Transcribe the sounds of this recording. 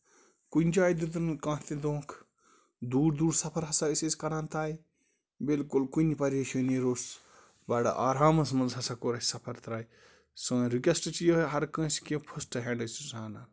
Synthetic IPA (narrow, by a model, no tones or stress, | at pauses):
kunʲd͡ʒaːjd̪ud̪ɾkãːt̪id̪õːkʰ | d̪uːɾd̪uːɽsɐpʰɐɾɦɐsaiseːskɐɾaːnt̪aːj | bilkulkunʲipɐɾʲeʃɐniɾoːs | baɽɐ̰ʔaːɾaːmɐsmɐnzɦɐsakoːɾɐsʲsɐpʰɐɾt̪ɾaːj | sɐ̃ːɾikʲɐsʈt͡ʃijoɦɐɾkə̃ːskẽpʰusʈɐɦeːɳɖɨsisaːna